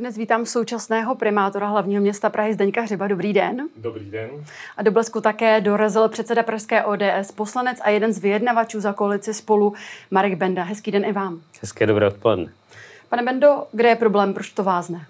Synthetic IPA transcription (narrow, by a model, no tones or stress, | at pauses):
dnɛsviːt̪aːmso̞wt͡ʃasnɛːɦo̞pɾɪmaːt̪o̞ɾaɦlavɲiːɦomɲɛst̪apɾʔaɦɪzdɛɲkaɦrɪbado̞bɾiːdɛndobɾiɛnʔadoblɛskut̪akɛːdo̞ɾazɪlpr̝̥ɛt̪t͡sɛdapɾaʃskɛːʔoːdɛːʔɛspo̞slanɛt͡sajɛdɛnzvɪjɛdnavat͡ʃuːzako̞alɪt͡sɪspo̞lumaɾɛɡbɛndaɦɛskiːdɛnʔɪvaːmhɛskɪɛdobɾɛːot̪̚polɛdnɛ | panɛbɛndo̞ɡdɛjɛpɾo̞blɛːmpɾot͡ʃt̪o̞vaːsnɛ